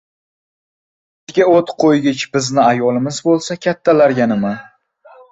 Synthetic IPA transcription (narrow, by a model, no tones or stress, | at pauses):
t̪ɡʲaot̪qʰojɡʲɪt͡ʃbɪznɪajɒlˠɪmɪzbolˠsakʲʰat̪ʰːalaɾɡʲanɪma